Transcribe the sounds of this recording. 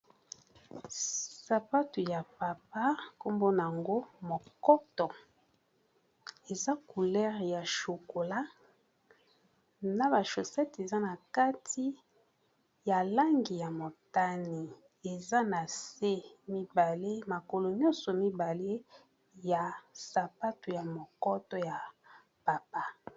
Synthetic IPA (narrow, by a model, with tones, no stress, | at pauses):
sa˨pa˦tu˨ja˨pa˨p̚a˦ko˦mbo˦n˨a˨ŋɡo˦mo˨kɔ˦tɔ˨ | e˨za˦ku˨lɛ˦ʁja˨ʃo˨ko˨la˦ | na˨ba˨ʃo˨sɛ˦te˨za˦na˨ka˦tʰi˦ | ja˨la˦ŋɡi˨ja˨mo˨ta˦ni˨ | e˨za˦na˨se˦mi˦ba˨le˦ma˨ko˨lo˨ɲɔ̃˦nsɔ˨mi˦ba˨le˦ | ja˨sa˨pa˦tu˨ja˨mo˨kɔ˦tɔ˦ja˨ | pa˨pa˦